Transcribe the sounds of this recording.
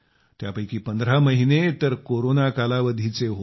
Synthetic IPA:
t̪japəjkiːpənd̪ɾaməɦinet̪əɾkoɾonakalaʋəd̪ʱit͡seɦo

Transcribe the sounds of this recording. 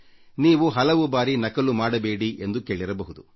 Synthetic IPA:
niːʋuɦɐlɐʋubaːɾinɐkɐlumaːɽɐbeːɽiʔe̞nd̪uke̞ːɭiɾɐbɐɦud̪u

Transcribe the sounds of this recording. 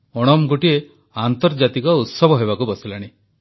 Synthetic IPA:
ɔɽ̃ɔmɡoʈie | ant̪ɔɾd͡ʒat̪ikɔut̪sɔbʱɔɦebakubɔsilaɽ̃i

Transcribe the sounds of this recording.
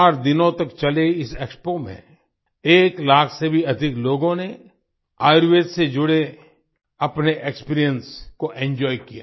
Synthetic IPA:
aːɾd̪ɪnõt̪ɐkt͡ʃɐleɪseːkspomḛ̃ | eːklaːkʰsebʱiɐd̪ʱɪkloːɡõne | aːɪɾweːssed͡ʒʊɽe | ɐpneʔekspiːɾijə̃nskoʔɛ̃ːɲd͡ʒɔːjkija̰

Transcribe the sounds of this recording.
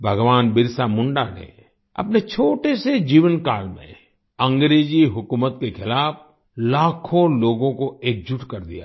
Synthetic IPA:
bʱɐɡʋaːnbɪɾsamʊ̃ɳɖanḛ | ɐ̰pnet͡ʃʰoːʈesed͡ʒiːʋənkaːlmḛ̃ | ɐ̃ŋɡɾeːd͡ʒiɦʊkuːmət̪kexʰɪlaːf | laːkʰõloːɡõkoeːk̚d͡ʒʊʈkɐɾd̪ḭja̰

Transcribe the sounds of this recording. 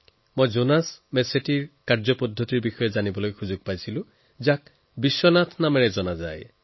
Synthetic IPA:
mojzonasmɛsetiɹkaɹzɔpɔdʱːɔtiɹbixɔjɛzanibɔlojxuzʊɡ̚pajsilʊ̃ | zak | bisːɔnatʰnamɛɹɛzɔnaza̰j

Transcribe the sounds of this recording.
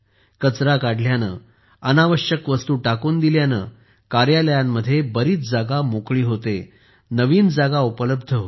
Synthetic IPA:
kət͡sɾakaɽljanə̰ː | ənaʋəɕjəkʋəst̪uːʈakuːnd̪iljanə̰ | kaɾjaləjamːəd̪ʱːjebəɾiːt͡sd͡zaɡamokɭiːɦot̪e | nəʋiːnd͡zaɡaupələbd̪ʱəɦo

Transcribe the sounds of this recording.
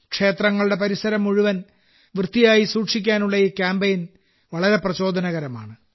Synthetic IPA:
kʂe̞ːt̪rɐŋːɐɭuɽe̞pɐɾisɐɾɐmːuɻiʋɐn | ʋrɨt̪ːijaːjisuːkʂikʲːaːnuɭːɐiːkʲjaːmbɐjin | ʋɐɭɐɾe̞prɐɕo̞ːd̪ʱɐnɐɣɐɾɐma̰ːɳɨ

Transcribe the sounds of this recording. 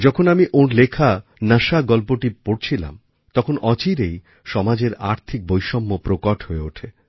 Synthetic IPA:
d͡ʑɔkʰonamiʔonlekʰanaʃaɡɔlpoʈipoɽt͡ɕʰila̰m | t̪ɔkʰonɔt͡ɕiɾej | ʃɔmad͡ʑeɾa̰ɾt̪ʰik̚bojʃɔmːopɾokoʈʰɦoeoʈʰe

